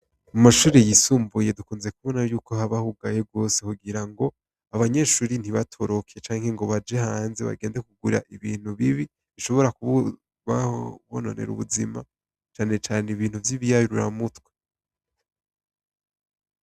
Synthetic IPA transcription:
mumaʃuːɾejisuːmbuje̞dukuːnze̞kuβonajuːko̞haβahuɡaje̞b̚ɡo̞ːse̞kuɡiɾaŋɡo̞ | aβaɲe̞ʃuːɾin̥hiβatʰoɾo̞kʰe̞t͡ʃaːŋhe̞ŋɡo̞βad͡ʒe̞haːnze̞̰βa̰ɡe̞ːndekuɡuɾa̰ʔiβiːn̥huβiβi | βiʃo̞βo̞ɾaku | βaβono̰ne̞̰ɾṵβuzima | t͡ʃaːne̞t͡ʃaːneiβiːn̥uvjiβijajuɾuɾa̰mutwe

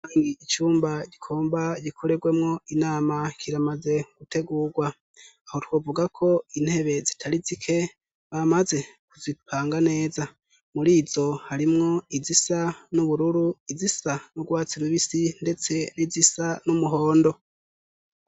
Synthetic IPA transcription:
aŋɡiit͡ʃuːmbaɟikʰoːmbaɟikʰo̞ɾe̞ɡwe̞mŋo̞inaːmakʰiɾamaze̞ɡ̥utʰe̞ɡuːɡwa | aho̞two̞ːvuɡakʰo̞in̥he̞βe̞zitʰaɾizikʰe̞ | βamaze̞kuzipʰaːŋɡane̞ːza | muɾiːzo̞haɾimŋo̞izisanuβuɾuɾuizisanuɡwaːt͡siɾuβisinde̞t͡se̞nizisanumuɦo̞ːndo̞

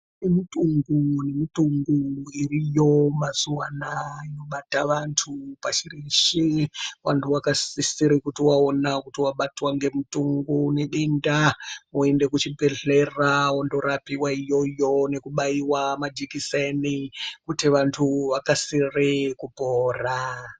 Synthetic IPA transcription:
emituŋɡune̞mituŋɡuirijo̞mazuwanaino̞ɓataʋantʰupat͡ʃiriʃiwantʰuwakasisiɾikutiwaonakutiwaɓatwaŋɡe̞mutuŋɡune̞ɗendaoende̞kut͡ʃibʱe̞ɮe̞rawondo̞ɾapiwaijo̞jo̞ne̞kuɓaiwamad͡ʒikisenikutiʋantʰuʋakasirekupoːra

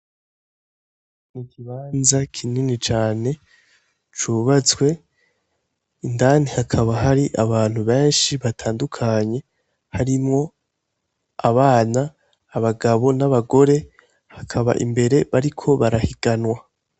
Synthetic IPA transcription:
nikʰiβaːnzakʰininit͡ʃaːne̞ | t͡ʃuβat͡sɡwe̞ | indaːnihakʰaβaɦaɾiʔaβaːn̥huβe̞ːnʃiβatʰaːndukʰaɲe̞ | haɾimŋo̞ | aβaːnaː | βaɡaβo̞naβaɡo̞ɾe̞ | hakʰaβa̰ʔḭmbe̞ɾe̞βaɾikʰo̞βaɾahiɡ̥anwa

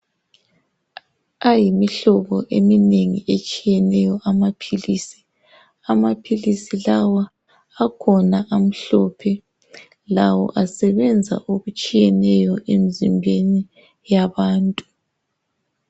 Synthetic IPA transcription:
ajimiɬɔɣɔʔemineŋḭet͡ʃʼijɛnɛjɔʔamapʰiliːsi̥ | amapʰilisilawaː | kʰɔnaʔam̩ɬɔpʰɛ | lawɔ̰ʔasɛβɛnd͡zʱa̰ʔoɣut͡ʃʼijɛnɛjɔʔem̩zimbʱeni | jaβaːntʼu

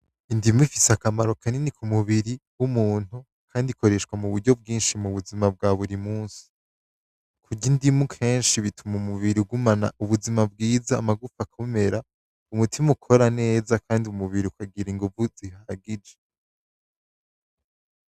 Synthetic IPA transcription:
indimifiseakamaɾo̞kʰaninikʰumuβiɾiwumuːn̥u | kʰaːndiko̞ɾe̞ʃkwamuβuɾɟo̞b̚ɡiːnʃimuβuzimab̚ɡaːβuɾimuːnsi̥ | kʰuɟindimukʰe̞ːnʃiβitʰumumuβiɾiɡumana̰uβuzimab̚ɡiːzaːmaɡufakʰome̞ɾa | umutʰimukʰo̞ɾane̞ːzakʰaːndiumuβiɾiukaɡiɾiŋɡuvuz̥ihaɡid͡ʒe

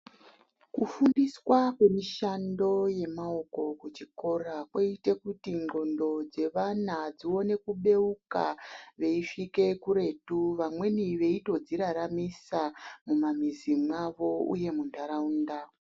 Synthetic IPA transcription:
kufundiswakwe̞miʃando̞je̞mao̞ko̞kut͡ʃiko̞rakweite̞kutiŋɡo̞ndo̞d͡ze̞ʋanad͡zio̞ne̞kuɓe̞ukaʋe̞ifike̞kuɾe̞tuʋamwe̞niʋe̞ito̞d͡ziɾaɾamisamumamizimwaʋo̞ṵje̞mundaɾaunda

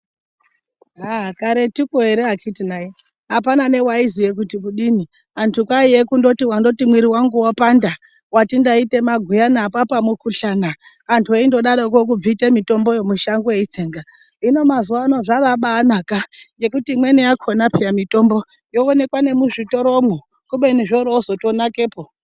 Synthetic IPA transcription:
ɦakaɾe̞tikoeɾeɦakʰitinaji | ɦapanane̞waizijek̬utikuɗini | antʰukaijekundo̞tiwando̞timwiɾiwaŋɡuwapanda | watindaite̞maɡʱujanapapamukuɬanaː | ntʰueindo̞ɗaɾok̬ok̬ub͡vitemito̞mbo̞jomuʃaŋɡojeit͡seːŋɡa | ino̞mazuwaːno̞ʐaraɓaːnakaje̞kutimwe̞niakʰo̞napʰijamito̞mbo̞ | jo̞ːne̞kwane̞muʐito̞ɾomo | kuɓe̞niʐoɾoːzo̞to̞nake̞ːpo

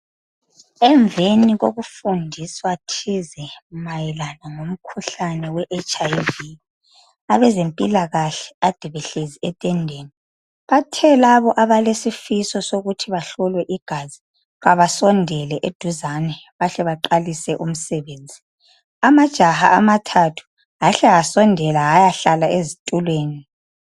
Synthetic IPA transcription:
ɛɱveniɣoɣufundʱiswatʰizɛmajɛlanaŋom̩kʰuɬanɛwɛʔet͡ʃajvi | aβɛzempʼilaɣaɬɛ̥ad̥ʱiβɛɬeziɛtʼɛndʱeːni | βatʰɛlaβɔʔaβalesifisɔsoɣutʰiβaɬɔlwɛʔiɡ̥ʱazi | ɣaβasɔndʱɛlɛʔed̥ʱuzanɛβaɬɛβaǃalisɛʔum̩sɛβeːnd͡zʱi | amad̥ʒ̥ʱaha̰amatʰatʰu̥ | ɣaɬɛasɔndʱɛlaːjaɬalaezitʼulweːni

